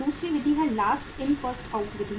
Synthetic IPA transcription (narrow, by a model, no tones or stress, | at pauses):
uːsɾiʋɪd̪ʱiɦɛlaːsʈɪ̃nfəsʈaʊʈʋɪd̪i